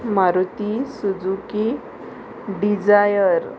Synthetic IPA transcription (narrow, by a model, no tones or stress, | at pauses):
maɾut̪isud͡zuki | ɖid͡zajəɾ